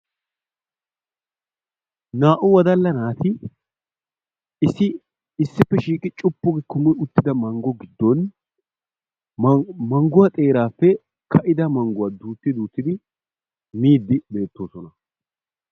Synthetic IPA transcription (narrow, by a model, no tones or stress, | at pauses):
naːʔʊwɐd̪ɐlːɐnaːt̪ʰɪ | ɪsːɪ | ɪsːɪpːɛʃiːkʼɪt͡ʃʼʊpːʊɡɛkʊmɔʊt̪ːɪd̪ɐmɐŋɡɔɡɪd̪ːɔn | mɐŋɡʊwat̪ʼe̞ːɾaːfːɛ | kʰɐʔɪd̪ɐmɐŋɡʊwaːd̪uːt̪ːɪd̪uːt̪ːɪd̪ɪ | miːd̪ːɪbe̞ːt̪ːo̞ːsɔnɐ